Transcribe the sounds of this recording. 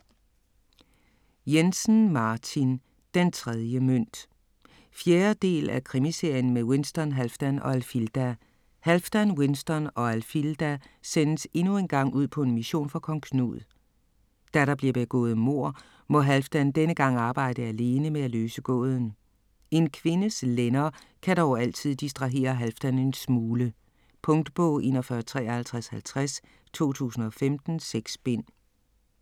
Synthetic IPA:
jensn̩mɑ̈ːt͡sʰin | d̥ent͡sʰʁɛð̞ˠjəmøn̰d̥ | fjeːɐd̥e̝̰ːlækʰʁimise̝ɐ̰jən̩mewensd̥ɒnɦælfd̥ænɒ̽ælfild̥æ | hælfd̥ænwe̝nsd̥ɒnɒ̽ælfild̥æsenəse̝nue̝nɡ̥ɑ̈ŋ̰uð̰ˠpʰɒ̽e̝nmiɕo̝̰ːnfɒkʰɒ̽ŋkʰnṵð̩ˠ | d̥æɾɑ̈b̥liɐb̥e̝ɡ̥ɔ̰ːð̞̩ˠmo̝ɐ̰ | mɒ̽ɦælfd̥ænd̥enəɡ̥ɑ̈ŋ̰ɑ̈ːb̥ɑ̈ɪ̰d̥əæle̝ːnəmeæløːsəɡ̥ɔ̰̽ːð̞ˠn̩ | e̝nkʰʋe̝nəslenɐː | kʰædɒʊæl̰t͡sʰið̞̰ˠd̥isd̥ʁɑ̈ɦe̝̰ːɐɦælfd̥ænensmuːlə | pʰɔ̽ŋd̥əb̥ɔʊe̝nɐfɶɐt͡sʰʁɛ̰ːhælt͡sʰʁæshælt͡sʰʁas | t͡sʰo̝̰ːt͡sʰṵːsn̩ɒ̽femd̥n̩seɡ̥sb̥e̝n̰

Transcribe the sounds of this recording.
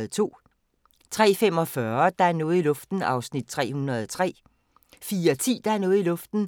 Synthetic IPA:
ð̩t͡sʰo̝̰ː | t͡sʰʁɛ̰ːfem̰ɒ̽fɶɐd̥ɑ̈æɐnɔːð̩ˠilɔ̽fd̥n̩ɑ̈ʊsnid̥̚t͡sʰʁɛ̰ːhunɐð̞̩ˠɒt͡sʰʁɛ̰ː | fiːɐt͡sʰḭːd̥ɑ̈æɐnɔ̽ːð̩ˠilɔ̽fd̥n̩

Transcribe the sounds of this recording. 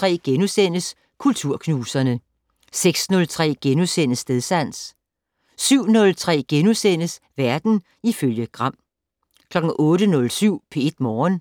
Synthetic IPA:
t͡sʰʁɛ̰ːɡ̥enusenəs | kʰult͡sʰuɐ̰kʰnuːsɐnə | seɡ̥snɔ̽lt͡sʰʁɛ̰ːɡ̥enusen̰əsd̥eðˠsæn̰s | syʊ̰nɔ̽lt͡sʰʁɛ̰ːɡ̥enusen̰əsʋæɐd̥n̩ | iføljəɡ̥ʁɑ̈m̰ | kʰlɒ̽ɡ̥̩ʔɔ̽ːɾənɔ̽lsyʊ̰pʰe̝e̝d̥mɒːn

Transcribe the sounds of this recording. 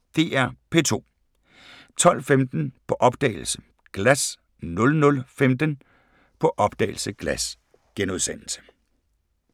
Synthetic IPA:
d̥e̝̰ːæɐ̰pʰe̝̰ːt͡sʰo̝̰ː | t͡sʰɒ̽l̰femd̥n̩pʰɒ̽ʔɒ̽b̥d̥ɛ̰ːɪl̩sə̥ | ɡ̥læs | nɔ̽lnɔ̽lfemd̥ən | pʰɒ̽ʔɒ̽b̥d̥ɛ̰ːɪl̩səɡ̥læs | ɡ̥enuð̞ˠsen̰l̩sə̥

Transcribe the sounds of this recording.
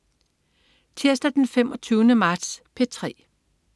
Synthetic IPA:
t͡sʰeɐsd̥æd̥enfemɒ̽t͡sʰyːʊnəmɑ̈ːd̥spʰe̝t͡sʰʁɛ̰ː

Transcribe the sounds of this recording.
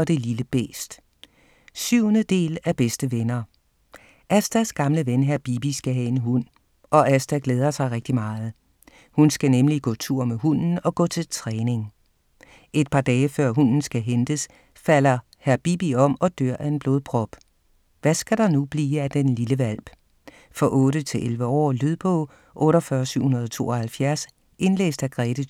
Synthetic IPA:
ɒ̽d̥e̝liləb̥ḛːsd̥ | syʊ̰nəd̥e̝̰ːlæɐb̥esd̥əʋenɐ | ʔæsd̥æsɡ̥ɑ̈mləʋenɦæɐb̥ib̥isɡ̥æɦæe̝nɦun̰ | ɒ̽ʔæsd̥æɡ̥leːð̞ˠɐsɑ̈ɪʁɛɡ̥̚d̥imɑ̈ːð̞̩ˠ | hunsɡ̥ænemliɡ̥ɔ̰ːt͡sʰuɐ̰meɦun̰n̩ɒ̽ɡ̥ɔ̰̽ːt͡sʰe̝lt͡sʰʁɛːne̝ŋ | e̝d̥̚pʰɑ̈ːd̥ɛːfɶɐ̰ɦunn̩sɡ̥æɦend̥əs | fæl̰ɐ | hæɐb̥ib̥iɒ̽m̰ɒ̽d̥øɐ̰ʔæe̝nb̥lo̝ːðˠpʰʁɒ̽b̥ | ʋæsɡ̥æɾ̥ɑ̈nub̥liːæd̥enliləʋæl̰b̥ | fɒ̽ʔɔ̽ːɾət͡sʰe̝lʔelʋəɒ̰ːlyðˠb̥ɔ̰ | ʔɔ̽ːɾɒfɶːɐsyʊ̰hunɐð̞̩ˠɒ̽t͡sʰo̝̰ːʔɒ̽hælfjæɐs | ʔe̝nlḛːsd̥æɡ̥ʁɛːɾ̥ə

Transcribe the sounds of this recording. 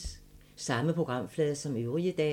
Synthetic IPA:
sɑ̈məpʰʁo̝ɡ̥ʁɑ̈m̰flɛːðˠɐsɒ̽møʊʁiəd̥ɛ̰

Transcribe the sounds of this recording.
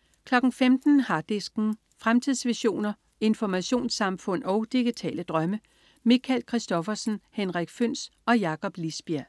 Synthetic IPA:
kʰlɒ̽ɡ̥n̩femd̥n̩hɑ̈d̥esɡ̥n̩ | fʁamt͡sʰið̰ˠsʋiɕo̝̰ːnɐ | e̝nfɒmæɕo̝̰ːnsɑ̈mfɔ̽n̰ɒ̽ʊd̥iɡ̥it͡sʰɛ̰ːləd̥ʁɶmə | mikʰælkʰʁisd̥ɒ̽fɐsn̩henʁaɡ̥føn̰s | ɒ̽jɑ̈kʰɒ̽b̥lisb̥iɐ

